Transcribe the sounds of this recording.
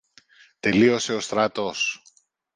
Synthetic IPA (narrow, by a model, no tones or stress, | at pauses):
t̪e̞lio̞se̞o̞st̪ɾɐt̪o̞s